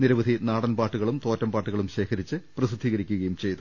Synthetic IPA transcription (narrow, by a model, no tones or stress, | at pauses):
niɾɐʋɐd̪ʱinaːɽɐnpaːʈːuɣɐɭumt̪o̞ːtːɐmbaːʈːuɣɐɭumɕe̞ːkʰɐɾit͡ɕːɨprɐsɨd̪ʱːiːɣɐɾikʲːuɣɐjumt͡ɕe̞jt̪u